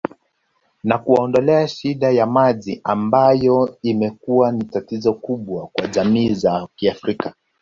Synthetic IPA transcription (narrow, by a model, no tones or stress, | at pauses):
nakuwaɔndɔlɛaʃiɗajamaʄiʔambajɔimɛkuwanitatizɔkuɓwakwaʄamiːzakiafɾika